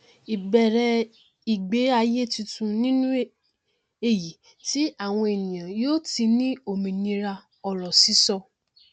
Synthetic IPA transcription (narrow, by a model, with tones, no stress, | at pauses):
i˨bɛ˨ɾɛ˧ | i˨ɡ͡be˨˦a˧je˦˨tũ˧tũ˧nĩ˦nũ˦e˦ | e˨ji˨ | ti˨˦a˦˨w̃ɔ̃˧e˨nĩ˨jã˨joː˦ti˧nĩ˦o˦˨mĩ˨nĩ˧ɾa˧ | ɔ˧˨lɔ˨si˨˦sɔ˧